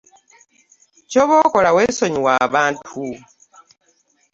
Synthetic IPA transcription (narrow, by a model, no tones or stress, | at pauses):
coβoːkolaweːsoɲiwaːβaːntʰu